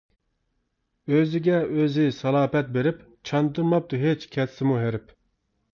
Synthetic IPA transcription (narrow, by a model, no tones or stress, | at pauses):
øzɪɡʲɛøzɪsɑlˠɑːpɛt̪̚beɾɪp | t͡ʃʰɑnd̪ɨɾmɑp̚d̪uɦet͡ʃkʲʰɛt̪sɪmuɦeɾɪp